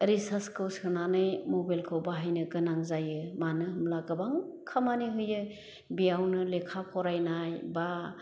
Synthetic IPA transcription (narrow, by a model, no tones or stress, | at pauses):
ɾisaskʰɯwsɯnanɯjmɔbalkʰɯwbaɦajnɯɡɯnaŋzajɯmanɯɦɯmlaɡɯbaŋkʰamaniɦɯjɯ | bijawnɯlekʰapʰɔɾajnajba